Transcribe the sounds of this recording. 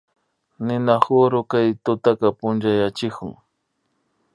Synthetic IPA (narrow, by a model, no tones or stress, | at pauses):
nɪnaχʊɾʊkajt̪ʊt̪akapʊnt͡ʃajat͡ʃɪkʊ̰ŋ